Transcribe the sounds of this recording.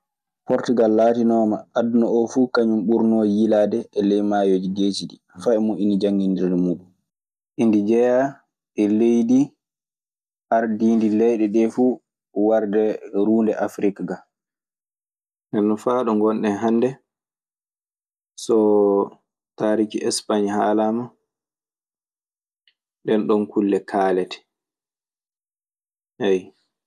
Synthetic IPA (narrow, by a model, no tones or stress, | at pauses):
pɔɾtuɡalːaːtinɔːmaadnɔɔfukaɲumɓuɾnɔjiladɛːlejmajod͡ʒiɡeːsiɗi | faɛmuʔinid͡ʒaŋɡindiɾdɛmuːɗum | ʔindid͡ʒɛja | ʔɛlejdi | haɾdiːndilɛjɗɛɗɛfu | waɾdɛɾuːndɛʔafɾikɡa | ndɛnːɔfaːɗɔŋɡɔnɗɛɦanːdɛ | sɔ | taːɾikiʔɛspaɲhaːlama | ɗɛnɗɔnkʰulːɛkʰaːlɛtʰɛ̥ | ɛj